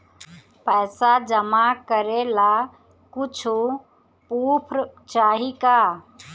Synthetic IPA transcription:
pəːsad͡ʒəmakəɾela | kut͡ʃʰu | pupʰɾt͡ʃaːɦika

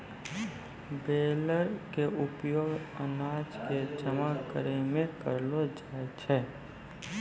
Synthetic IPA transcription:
beːləɾkeʊpjoːɡənaːd͡ʒked͡ʒəmakəɾemẽkəɾlod͡ʒaːet͡ʃʰɛː

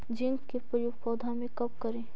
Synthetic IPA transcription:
d͡ʒɪ̃nt̪kepɾəjuɡpɔːd̪ʱãmẽkɐp̚kɐɾẽː

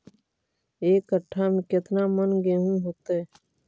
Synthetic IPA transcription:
eːkːəʈʰːamẽkɪt̪namənɡẽːɦũɦoːt̪eɛ

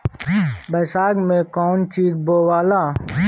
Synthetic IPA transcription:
bɐsaːɡmẽːkɔːnt͡ʃiːd̪boːwaːlaː

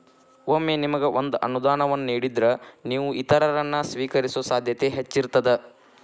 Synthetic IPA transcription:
oːmːenimɐɡeʔond̪uʔɐnud̪aːnɐʋɐnːniːɽid̪ɾɐniːʋuʔit̪ɐɾɐɾɐnːɐsʋiːkɐɾisuɐsaːd̪ʱjɐt̪e̞ɦet͡ʃːiɾt̪ːɐd̪e

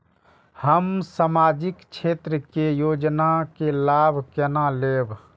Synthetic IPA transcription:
həmsamaːd͡ʒɪkt͡ʃʰeːt̪ɾəkejoːd͡ʒnakelaːbʱkɛnaleːbʱ

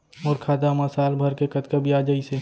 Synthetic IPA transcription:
ɔːɾkʰaːd̪amɐsaːlbʱɐɾkekɐt̪kəbʱiaːd͡ʒaːise

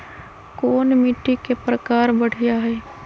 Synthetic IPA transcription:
koːnmiʈːikepɾəkaːɾbəɽ̤ijaɦɛː

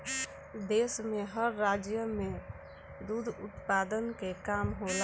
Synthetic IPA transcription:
d̪esmeɦəɾːad͡ʒjəme | d̪ud̪ʱṵt̪pad̪ənkekamɦola

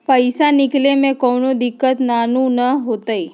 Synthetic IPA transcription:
pəɪsanɪklemẽkɔːnod̪ɪkːət̪naːnũnɐɦoːt̪aiː

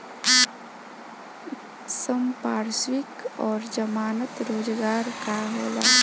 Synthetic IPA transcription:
səmpaːɾswɪkɔːɾd͡ʒəmaːnət̪ɾoːd͡ʒɡaːɾkaɦoːlaː

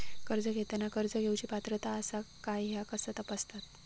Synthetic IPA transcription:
kəɾd͡zəɡʱet̪anːakəɾd͡zəɡʱewt͡ɕiːpat̪ɾət̪aəsakajɦjakəsət̪apəst̪at̪

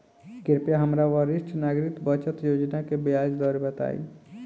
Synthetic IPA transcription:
kɪɾpjaɦəmɾaʋəɾɪʃʈʰnaɡɾit̪bət͡ʃət̪joːd͡ʒnakebejad͡ʒd̪ɔːɾebət̪a̰ḭ

